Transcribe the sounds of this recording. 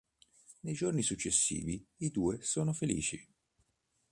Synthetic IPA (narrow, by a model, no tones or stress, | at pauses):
nejd͡ʒornisut͡ʃːesːḭːviid̪uːesoːnofelḭːt͡ʃi